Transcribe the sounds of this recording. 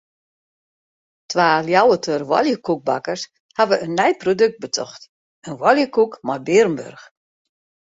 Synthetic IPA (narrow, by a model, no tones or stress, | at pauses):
tʰʋaːljawətʰørʋɔ̰ljəkuk̚bakərs | haʋəʔənːɛjprodøk̚t̚bətʰɔ̰xt | ənʋɔljəkukmabɪrmbø̰rx